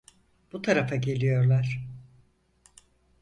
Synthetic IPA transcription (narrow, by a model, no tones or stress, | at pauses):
b̥ut̪ʰaɾafaɟe̞lʲijo̞ɾlˠaɾ̥